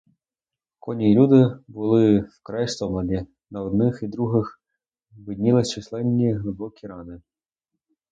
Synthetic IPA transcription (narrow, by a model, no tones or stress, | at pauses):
kɔnʲilʲud̪ɪbʊlˠɪwkɾɛjst̪ɔmɐd̪ʲi | nɐɔd̪nɪxid̪ɾuɦɪx | bɪd̪ʲnʲilˠɪst͡ʃislˠɛnʲːiɦlˠɪbɔkʲiɾɑnɪ